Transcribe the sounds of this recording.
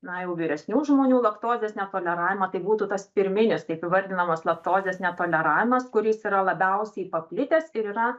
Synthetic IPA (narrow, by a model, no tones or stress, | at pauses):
nɐjɛʊʋʲiːɾʲɛsʲnʲuːʒmoːnʲuːlˠɐpt̪oːzʲeːsnʲɛt̪oːlʲɛɾɑːʋʲɪmɐt̪ɐɪbuːt̪uːt̪ɐspʲɪɾʲmʲɪnʲɪst̪ɐɪɐpɪʋɐɾʲd̪ʲɪnɐmɐslˠɐpt̪oːzʲeːsnʲɛt̪oːlʲɛɾɑːʋʲɪmɐskʊɾʲiːsiɾɐlˠɐbʲɛʊsʲɛɪpɐpʲlʲɪt̪ʲesɪɾiːɾɐ